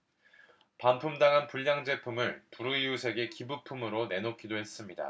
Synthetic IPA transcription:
panpʰumdaŋɦanpuʎːaŋd͡ʑe̞pʰumɯɭpuɾuiusʰe̞ɡe̞kibupʰumɯɾone̞nokʰidoɦe̞s͈ɯmɲida̰

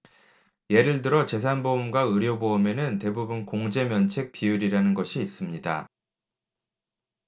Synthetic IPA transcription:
je̞ɾɯɭtɯɾʌt͡ɕe̞s̬ʰanboumɡwaɯɾjoboːme̞nɯnte̞bubunkoŋd͡ʑe̞mjʌnt͡ɕʰe̞k̚p͈iuɾiɾanɯnɡʌɕʰiːs͈ɯmɲida

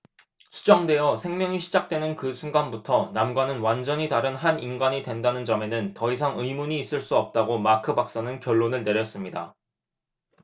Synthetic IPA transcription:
t͡ɕʰu̥d͡ʑʌŋdwe̞jʌsʰe̞ŋmjʌŋiɕʰid͡ʑak̚t͈we̞nɯnkɯsʰunɡanbutʰʌnamɡwanɯnwand͡ʑʌɲitaɾɯnɦaninɡaɲidwe̞ndanɯnd͡ʑʌme̞nɯntʌisʰaŋɯjmuɲiːs͈ɯɭs͈uʌp̚t͈aɡomakʰɯbak̚s͈anɯnkjʌɭːonɯɭne̞ɾjʌs͈ɯmɲida̰

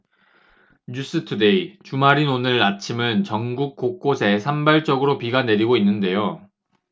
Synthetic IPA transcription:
ɲus͈ɯtʰude̞it͡ɕumaɾinonɯɾat͡ɕʰimɯnt͡ɕʌŋɡuk̚k͈ok͈osʰe̞sʰambaɭt͡ɕ͈ʌɡɯɾopiɡane̞ɾiɡoinːɯnde̞jo

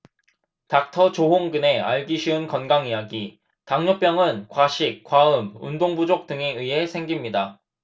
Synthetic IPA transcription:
tak̚tʰʌt͡ɕoɦoŋɡɯne̞a̰ɭɡiɕʰiɯnkʌnɡaŋijaɡi | taŋɲop͈jʌŋɯnkwaɕʰik̚k͈waɯmṵndoŋbud͡ʑok̚t͈ɯŋeɯie̞sʰe̞ŋɡimɲida

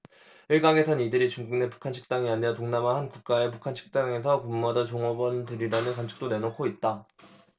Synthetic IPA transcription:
iɭɡaŋe̞sʰʌnidɯɾit͡ɕuŋɡuŋne̞pu̥kʰanɕʰi̥k̚t͈aŋianeʌtoŋnamanɦankuk̚k͈ae̞p̬ukʰant͡ɕʰi̥k̚t͈aŋe̞sʰʌkumuɦadʌnt͡ɕoŋʌbʌntɯɾiɾanɯnkwant͡ɕʰɯ̥k̚t͈one̞nokʰoit̚t͈a

